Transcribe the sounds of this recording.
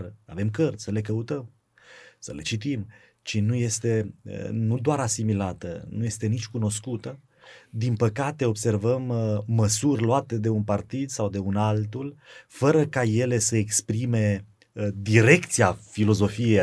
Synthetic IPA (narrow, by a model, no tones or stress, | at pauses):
əa̰ve̞mkərt̪sʲsəle̞k̬əut̪əm | səle̞t͡ʃit̪im | t͡ʃinuje̞st̪e̞̰nud̪oaɾasimilat̪ə̰nuje̞st̪e̞nit͡ʃʲkuno̞skut̪ə | d̪inpəkat̪e̞o̞bse̞rvəmːəsurʲloat̪e̞d̪e̞unpart̪id̪sawd̪e̞unalt̪ulfəɾəkaje̞le̞səekspɾime̞ | d̪iɾe̞kt̪siafilo̞zo̞fie